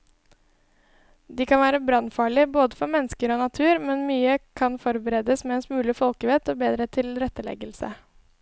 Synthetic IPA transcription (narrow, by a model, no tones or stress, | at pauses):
d̪iːkʰɑnʋæːɾəbɾɑnfɑːɭɪboːd̪əfɔɾmɛnəskəɾoːnɑt̪ʰʉːɾmɛnmyːəkʰɑnfɔɾbəɾeːd̪əsmɛɛnsmʉːlɪfɔlkəʋɛt̪oːbeːd̪ɾət̪ʰɪlɾɛt̪ːəlɛ̰ɡəlsə̰